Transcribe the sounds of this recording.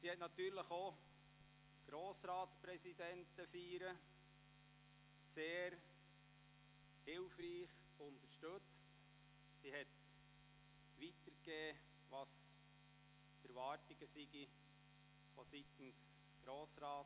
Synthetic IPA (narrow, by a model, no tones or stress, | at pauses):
sihɛt̪nɑt̪yːɾləχo | ɡ̥ɾoːsɾɑːtspɾɛsid̪ɛntəfiːɾə | seːɾ | hɪlfriːχ | ʊnt̪əɾʃtɵt͡st | siɦɛt | ʋitəɾɡeː | ʋɑs | tɛɾvɑːɾtiɡ̥əsiɡi | fosit̪ən̩s | ɡ̥ɾoːsɾɑː